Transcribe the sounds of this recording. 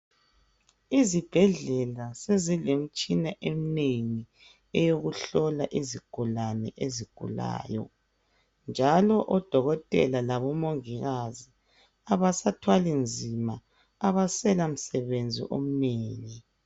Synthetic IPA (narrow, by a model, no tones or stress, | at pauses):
izib̥ʱɛɮɛlasezilem̩t͡ʃʼinaʔem̩neŋi | ɛjoɣuɬɔlaʔiziɡ̥ʱulanɛ̰ʔeziɡ̥ʱṵla̰ːjɔ̰ | nd͡ʒʱalɔʔɔd̥ʱɔɣɔtʼɛ̰lalaβɔmoŋiɣazi | aβasatʰwalind͡zʱimaː | βasɛlam̩sɛβend͡zʱḭʔom̩neːŋi